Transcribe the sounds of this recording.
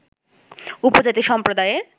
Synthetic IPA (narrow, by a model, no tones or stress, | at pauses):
upod͡ʑat̪iʃɔmpɾod̪aeeɾ